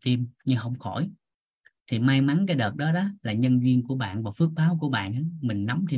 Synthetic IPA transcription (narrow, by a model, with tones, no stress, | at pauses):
t̪i˧mɲɨ˧ɦə˧wŋ͡mxɔ˧˩j | t̪ʰi˨˩maː˧jma˨˦nkaː˨˦jɗəː˨˩t̚ɗɔ˨˦ɗɔ˨˦laː˨˩ɲə˧nzwi˧ənku˧˩əɓa̰ː˧˨nvaː˨˩fɨ˦˥ək̚ɓaː˨˦wku˧˩əɓa̰ː˧˨na˨˦mï˨˩ŋ̟na˨˦wŋ͡mt̪ʰe˧